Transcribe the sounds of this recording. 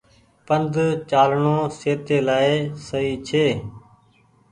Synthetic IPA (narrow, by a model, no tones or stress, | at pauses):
pənd̪ʱt͡ʃaːlɳõːseːt̪eːlaːesəiːt͡ʃʰeː